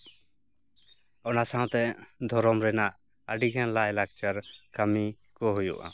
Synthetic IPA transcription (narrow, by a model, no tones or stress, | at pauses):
ɔnasãw̃t̪ɛd̪ʱɔɾɔmɾɛnaʔ | əɖiɡʰɛnlaɛlak̚t͡ʃaɾkamikɔɦujṵʔa̰